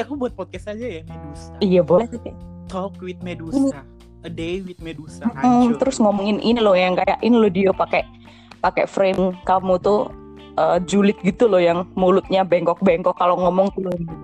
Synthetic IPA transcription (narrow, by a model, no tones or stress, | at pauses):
akubuat̪̚pɔt̪̚kɛsad͡ʒajamedusaijabolɛht̪it̪it̪ɔkwɪt̪̚meduini | ədewit̪̚medusam̩t̪əɾʊsŋɔmɔŋɪnʔinilɔhjaŋkajaʔɪnilodiopakɛʔ | pakɛ̰fɾemkamut̪ʊ | ʔəd͡ʒulɪt̪̚ɡit̪ulɔhjaŋmulʊt̪̚ɲabɛŋkɔk̚bɛŋkɔkːaloŋɔmɔŋt̪ulod